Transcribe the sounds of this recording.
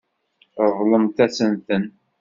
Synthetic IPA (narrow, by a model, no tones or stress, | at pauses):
əðˤləmt̪æsənθən